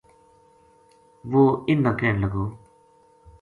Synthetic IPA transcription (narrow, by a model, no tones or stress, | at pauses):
ʋoːɪnːãːkɛːnləɡoː